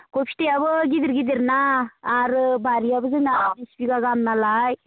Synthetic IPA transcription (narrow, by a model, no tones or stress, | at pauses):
ɡopʰi̥tejaβɯɡid̪ɯɾɡid̪iɾnaːɾbaɾiabɯzɯŋaispiɡaɡamnalaj